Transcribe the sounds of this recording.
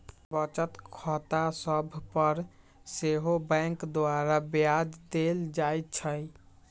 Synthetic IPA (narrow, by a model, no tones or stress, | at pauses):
bət͡ʃət̪kʰɔt̪asəbʱpəɾ | seɦobɛ̃ŋkd̪oaɾabjad͡ʒd̪eld͡ʒajt̪̚t͡ʃʰəj